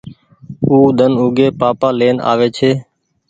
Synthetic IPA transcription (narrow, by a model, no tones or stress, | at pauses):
uːd̪ʱənuːɡeːpaːpaːleːna̰ːʋeːt͡ʃʰeː